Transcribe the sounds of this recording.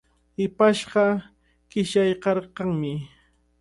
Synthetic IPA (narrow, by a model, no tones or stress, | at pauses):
ɪpaʃɢɑ | ɢɪʃajqɑɾqɑŋmɪ